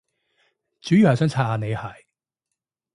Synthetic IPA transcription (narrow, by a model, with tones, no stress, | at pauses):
t͡syː˨˥jy˨hɐ˨sœː˨˥ŋt͡sʰaː˧˥haː˧ne˨˧jhɐ˨˩j